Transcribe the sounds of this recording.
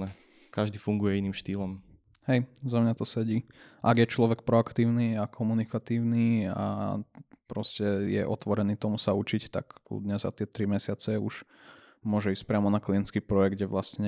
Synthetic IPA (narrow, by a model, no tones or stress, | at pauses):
nɛ | kaʒd̪iːfuŋɡujɛinimʃt̪iːlɔm | hɛjzamɲat̪ɔsɛɟiːʔaɡjɛt͡ʃlɔʋɛk̚pɾɔakt̪iːʊniːakʰɔmunikat̪iːʊniːa̰ | pɾɔscɛjɛ̰ʔɔt̪ʋɔɾɛniːt̪ɔmusaut͡ʃict̪a̰kkṵd̪ɲɛzza̰t̪ɪɛt̪ɾimɛsɪat͡sɛuʃ | mʊɔʒɛiːscʲpɾɪamɔnakliɛnt͡skipɾɔjɛɡ̚ɟɟɛʋlasɲɛ